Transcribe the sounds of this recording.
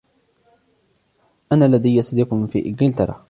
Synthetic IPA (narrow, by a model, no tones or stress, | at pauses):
ʔanaːlːad̪ajːasd̪iqʊmfḭːʔɪɡɪlt̪ɑɾˤɑ̰